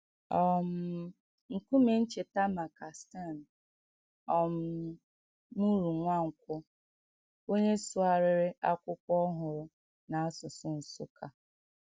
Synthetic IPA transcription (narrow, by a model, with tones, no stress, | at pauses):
ɔ˦m̩˦ | ŋ̩˨kʷu˦me˨˦n̩˦t͡ʃe˨ta˦ma˨ka˨sta˦˨n̩˨ | ɔ˨m̩˦ | mu˦ɾu˨ŋʷa˦˨ŋ̩˨kʷʊ˦ | o˦ɲe˦sʊ˦a˨ɾɪ˦ɾɪ˦a˦kʷʊ˦kʷɔ˦ɦʊ˨ɾʊ˨ | na˨a˦sʊ˨sʊ˦n̩˨sʊ˦kʰa˨